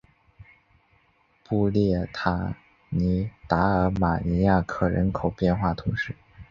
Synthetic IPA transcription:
pu˥˧ljɛ˥˩t̪ʰa˧˥˩ | ni˧˥t̪a˧˥ə˞˧˥ma˨˩ni˧˥ja˥˩kʰɤ˨˩ɻə̰˧˥nkʰo˨˩ʊpjɛ˥˧nxwa˥˩t̪ʰu˧˥ŋʂɻ̩˥˩

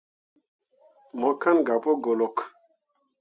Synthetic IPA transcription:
mɔ˨kã˦nɡa˨po˦ɡo˨lɔ˨k

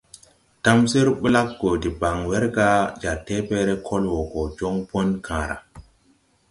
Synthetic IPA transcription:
ta˦msi˦ɾɓi˦la˦k̚ɡo˨di˨ba˨ŋwɛ˦ɾɡa˦d͡ʒa˨tːe˦pɛ˦ɾɛ˦kʰɔ˦lwɔ˨kɔ˨d͡ʒɔ˦ŋpɔ˦nkʰã˨ɾa̰˨

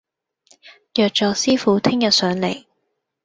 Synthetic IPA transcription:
jœː˨k̚t͡ʃɔː˨˧siː˥fuː˨˥t̪ʰɪ˥ŋjɐ˨t̚sœː˨˥ŋle˨˩j

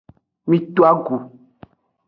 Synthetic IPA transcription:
mĩ˦t̪o˦a˦ɡu˨

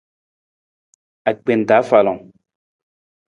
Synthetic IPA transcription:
a˨k͡pe˨n˨ta˨˦fa˨lɔ˨

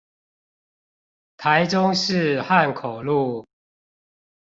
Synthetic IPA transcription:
t̪ʰa˨˦ɪʈ͡ʂʊ˦ŋʂɻ̩˥˨ha˥˨nkʰo˨˩ʊlu˥˨

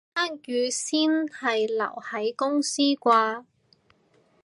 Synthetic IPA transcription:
aː˥njyː˨˧siː˥nhɐ˨jlɐ̰˨˩whɐ˨˥jkʊ˥ŋsiː˥kʷaː˧

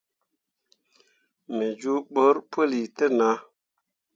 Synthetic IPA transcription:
me˨d͡ʒu˦ɓə˦ɾpʰə˦li˨tə˦na˨˦

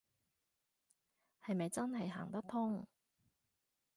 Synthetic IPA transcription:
hɐ˨jmɐ˨jt͡sɐ˥nɦɐ˨jɦa̰ː˨˩ŋt̪ɐ˥k̚t̪ʰʊ˥ŋ

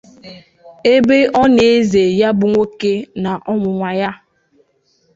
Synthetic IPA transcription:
e˦be˦ɔ˦ne˨˦ze˨ja˦bʊ˦ŋʷo˦ke˦na˨ʔɔ˦mʊ˨ŋʷa˨ja˦

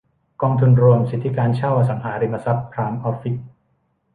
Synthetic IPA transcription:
kɔː˧ŋt̪ʰu˧nɾu˧əmsi˨˩t̪ʰːi˦˥kaː˧nt͡ɕʰa˥˩wʔa˧˩sa˩˦ŋɦaː˩˦ɾi˧ma˧sa˦˥pːʰɾaː˧mʔɔː˦˥fi˦˥k̚

